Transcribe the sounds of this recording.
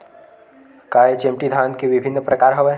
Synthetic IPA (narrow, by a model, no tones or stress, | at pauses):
kaɦet͡ʃemʈid̪ʱankeʋibʱinːpɾəkaɾɦəʋɛ